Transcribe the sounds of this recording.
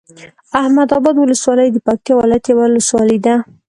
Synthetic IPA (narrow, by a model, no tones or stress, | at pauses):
ahmad̪ɑbɑd̪wʊləswɑləjd̪əpak̚t̪jɑwɪlajat̪jawaʊləswɑləjd̪a